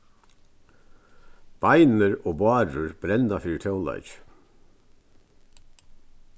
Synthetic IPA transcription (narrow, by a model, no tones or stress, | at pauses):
b̥ajnəɾɔːbɑːɾʊɹb̥ɾɛnt̪afiːɪt̪ʰɔwla̰jt͡ʃ